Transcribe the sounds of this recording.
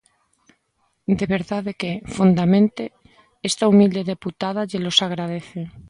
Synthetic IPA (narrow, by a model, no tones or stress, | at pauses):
d̪eβeɾðaðekefund̪amẽnt̪e | est̪aumild̪eðe̞put̪að̞aʎelosaɣ̞ɾað̞eθe